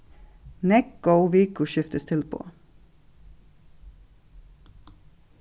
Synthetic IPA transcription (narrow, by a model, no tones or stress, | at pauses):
nɛk̚ɡəʊʋiːkʊʃʏft̪əst̪ʰɪlpʰo̰ː